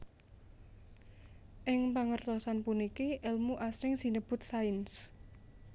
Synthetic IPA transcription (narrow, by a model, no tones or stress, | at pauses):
ʔɪŋpaŋərt̪ɔsanpunikiʔɪlmuʔasɾɪŋsinəb̥ʊ̤t̪̚saɪns